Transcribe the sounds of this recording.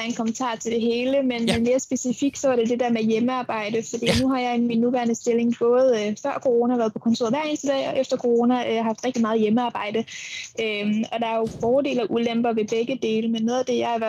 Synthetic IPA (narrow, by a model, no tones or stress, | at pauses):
nkʰɒ̽mənt͡sʰɑ̰̈ːt͡sʰe̝ld̥e̝ɦe̝ːləmenmenme̝ːɐsb̥e̝sifiɡ̥̚sɒ̽ʋɑ̈ɾ̥e̝d̥e̝d̥eɐ̰mejeməɑ̈ːb̥ɑ̈ɪ̰d̥əfɒd̥ḭːnuɦɑ̈jɑ̈ɪminːuʋæːɐnəsd̥e̝le̝ŋb̥ɔ̽ːð̞̩ˠfɶɐ̰kʰo̝ʁo̝ːnæʋæːɐðˠpʰɒ̽kʰɒ̽nt͡sʰo̝ɐ̰ʋæɐ̰e̝nsd̥əd̥ɛ̰ːɒ̽ʔefd̥ɐkʰo̝ʁo̝ːnæʔøɦɑ̈fd̥ʁɛɡ̥d̥imɑ̈ːð̞̩ˠjeməɑ̈ːb̥ɑ̈ɪ̰d̥əʔøɒ̽d̥ɑ̈æɐjo̝b̥ɒːd̥e̝̰ːlæʔulem̰b̥ɐʋe̝b̥eɡ̥əd̥e̝ːləmenːɔ̽ːðˠæd̥e̝jɑ̈ɪʋɐ